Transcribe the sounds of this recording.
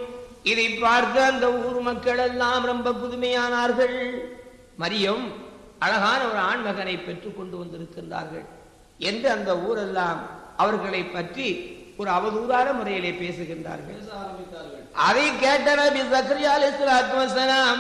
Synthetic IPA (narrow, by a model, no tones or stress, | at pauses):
ɪðɐɪpːaːɾt̪ɐɐnd̪ɐuːɾmɐkːɐɭɛlːaːmɾɐmbɐpʊðʊmɐjaːnaːɾɣɐɭ | mɐɾɪjɐm | ɐlɐɣaːnɐɔɾɯaːɳmɐɣɐnɐɪpːɛʈrikːɔɳɖɯʋɐnd̪ɪɾɯkːɪndra̰ːɾɣɐ̰ɭ | ɛndrɯɐnd̪ɐuːɾɛlːaːmʔɐʋɐɾɣɐɭɐɪpːɐʈri | ɔɾɯɐʋɐðuːðaːɾɐmʊrɐjɪleːpeːsɯɣɪndra̰ːɾɣɐ̰ɭːɪɐʔɐðɐɪkeːʈːɐnɐbɪsɐkɾɪjaːlɐɪsɐlat̪mɐsɐnaː